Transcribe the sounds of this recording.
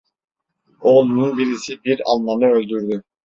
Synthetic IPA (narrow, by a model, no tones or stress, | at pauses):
o̞lˠununbiɾisibiɾa̰lˠmanɯølʲd̪yɾd̪y